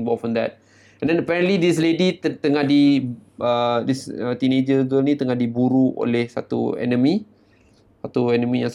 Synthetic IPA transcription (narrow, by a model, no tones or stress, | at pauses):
bɔtfɔ̃nd̪ɛt̚ | ɛ̃ndɛnəpɛɾə̃nʔlidis̬leditt̪əŋahdiədisət̪inẽd͡ʒəɡəlnĩt̪əŋahdibuɾuo̰lehsat̪ṵɛ̰nəmĩ | sat̪uɛnəmĩjãŋs